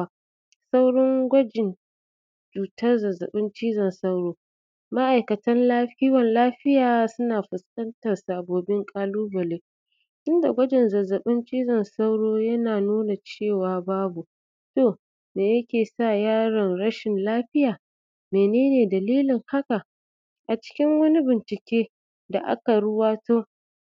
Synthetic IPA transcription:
a˦ | sa˦wɽɔ˦ŋɡʷɐ˦d͡ʒɪ˨n | d͡ʒuː˨tɐ˦rzɐ˨zɐ̰˨ɓɪ˦nt͡ʃiː˦zɐ˨nsɐ˦wɽoː˦ | ma˦ʔa˨jkɐ˨tɐ˦nlaː˦ɸɪ˦wɐ˨nlaː˦ɸɪ˦jaː˨sʊ˦naː˨ɸʊ˨skʼɐ˦ntɐ˨rsaː˨boː˨bɪ˦ŋkʼaː˦luː˦bɐ˨leː˦ | tʊ˦nda̰˨ɡʷɐ˦d͡ʒɪ˨nzɐ˨zɐ˨ɓɪ˦nt͡ʃʼiː˦zɐ˨nsa˦wɽoː˦jɐ˦naː˨nuː˦na˨t͡ʃeː˦˨waː˨baː˦bu˨ | to˦˨ | neː˨jɐ˦kʲeː˨sa˦˨jaː˦ɾɐ˨nɽɐ˦ʃɪ˨nlaː˦ɸɪ˦jaː˨ | meː˨neː˦neː˨dɐ˨liː˦lɪ˨ŋha˦ka˨ | ʔa˨t͡ʃɪ̥˦kʲɪ˦ŋwɐ˦ni˦bɪ˨nt͡ʃɪ˨kʲeː˦ | da˨ʔa̰˦ka˨ɽʊ˦waː˦toː˦

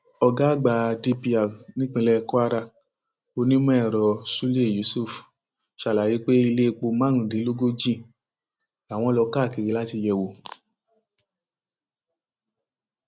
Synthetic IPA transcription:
ɔ˧ɡa˦˨ɡ͡ba˧di˦pi˧a˨nĩ˦k͡pĩ˧lɛ˦˧ku˦a˦ɾa˧ | o˧nĩ˦mũ˦ɛ˦˨ɾɔ˨su˦le˦˨ju˨˦su˦˨f | ʃa˨la˨ji˨˦k͡pe˦i˧le˦˧k͡po˧mã˦ɾ̃ũ˨di˨˦lo˦ɡo˦d͡ʒĩ˦˨ | a˨w̃ɔ̃˧˦lɔ˧ka˦˨ke˧˨ɾi˧la˦ti˧jɛ˧wo˨

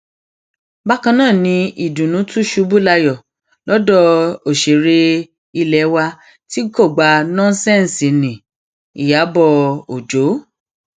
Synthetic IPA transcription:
ba˦kã˧nãː˦˨nĩ˧i˨dũ˨nũ˨˦tu˦ʃu˨˦bu˦la˧jɔ˨ | lɔ˨˦dɔ˧o˨ʃe˨ɾe˧ | i˧lɛ˨˦wa˧ | ti˦ɡo˦˨ɡ͡ba˧nɔ̃˦n˦sɛ̃˦˨n˨si˨nĩ˨ | ḭ˨ja˨˦bɔ˧o˨d͡ʒo˨˦

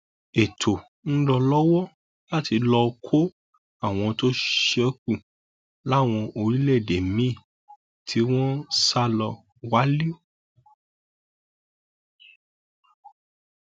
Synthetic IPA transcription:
e˨tʰo˨ | n̩˦lɔ˧lɔ˦wɔ˦ | la˦ti˧lɔ˧kʰo˦ | a˦˨w̃ɔ̃˧to˦ʃkũ˦˨ | la˦˨w̃ɔ̃˧ʔo˧ɾi˦lɛ˦˨de˨mĩ˦˨ | tʰi˦w̃ɔ̃˦sa˦lɔ˧ | wa˨˦li˦o˦

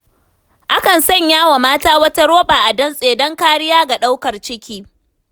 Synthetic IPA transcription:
ʔa˦kɐ˨nsɐ˦˨ɲjaː˦wa˨maː˦taː˦wɐ˦tɐ˦ɾoː˦baː˨ʔa˨dɐ˦nsʼeː˨dɔ˦ŋkaː˦ɽɪ˦jaː˦ɡa˨ɗa˦wkɐ˨rt͡ʃɪ˦kʲiː˦

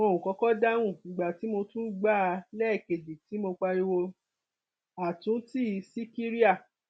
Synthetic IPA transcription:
mo˧˨ũ˨kɔ˨˧˦kɔ˦da˦w̃ũ˦˨nĩ˨ɡ͡ba˨ti˨˦mo˧tũ˦ɡ͡ba˦˧lɛ˦˨ke˨di˨ti˨˦mo˧k͡pa˧ji˧wo˧ | a˨tũ˨˦ti˦˨˦si˦ki˦ɾi˦a˦˨

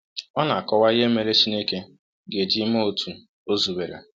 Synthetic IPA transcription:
ɔ˦na˨a˨kɔ˦wa˦i˦ɦe˦me˨ɾe˦t͡ʃi˦ne˦ke˦ | ɡe˨d͡ʒi˦mo˦o˨tʰu˨ | o˦zu˨we˨ɾa̰˨

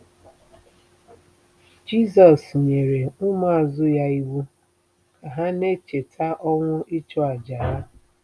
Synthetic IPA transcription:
d͡ʒi˦s̬ɔ˨sɲe˨ɾe˨ʊ˦ma˦a˨zʊ˦ja˦i˦wu˦ | a˨ɦa˦ne˦t͡ʃe˨tʰa˦ʔɔ˦ŋʷʊ˦i˦t͡ʃɔ˦a˨d͡ʒa˨ɦa˦

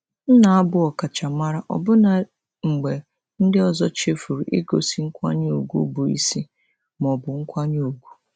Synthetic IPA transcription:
n̩˦na˨a˦bʊ˦ɔ˨ka˨t͡ʃa˨ma˦ɾa˦ʔɔ̰˨bʊ˦na˨ | ŋ͡m̩˨ɡ͡be˨ | n̩˦dɪ˦ɔ˨zɔ˦t͡ʃe˦fu˨ɾu˨ʔɪ˦ɡo˨si˨ŋ̩˦kʷa̰˦ɲ˦o˨ɡʷṵ˦bʊ˨ḭ˦si˦ | mɔ˨bʊ˨ŋ̩˦kʷa˦ɲ˦o˨ɡʷu˦

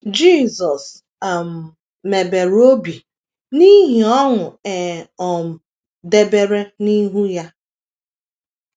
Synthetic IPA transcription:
d͡ʒi˦˨zɔ˨s | a˨m̩˨ | me˨be˨ɾo˦bi˨ | ni˦ɦi˨ɔ˦ŋʊ˨e˨ɔ˨m̩˨ | de˦be˦ɾe˦ni˦ɦu˦ja˦

